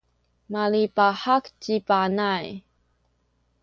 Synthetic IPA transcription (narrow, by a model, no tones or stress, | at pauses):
malipaħaktipanaj